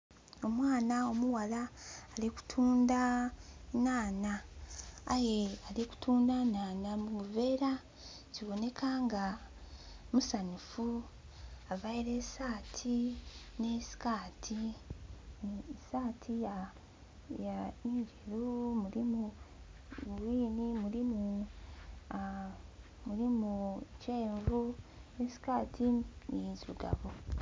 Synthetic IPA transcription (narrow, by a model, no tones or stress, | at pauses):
o̞mwaːnao̞muwalaːliku̥tʰuːnda | naːnaː | je̞aliku̥tʰuːndanaːnamuuve̞ɾa | ciβo̞ne̞kʰaːŋɡa | musanifu | avaiɾesaːtʰine̞si̥kaːtʰi | saːtʰija | janiːɲɟeɾumuɾimu | βwiːnimuɾimu | muɾimuce̞ːɱvunesi̥kaːtʰinijiziɾuɡa̰βo